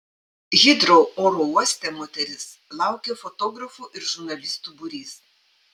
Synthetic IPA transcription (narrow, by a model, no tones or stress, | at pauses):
ɣʲɪd̪ɾooːɾouɔsʲt̪ʲɛmɔt̪ʲɛɾʲɪslˠɑˑʊkʲefɔt̪ɔːɡɾɐfuːʔɪɾʒʊɾnɐlʲɪst̪uːbʊɾʲiːs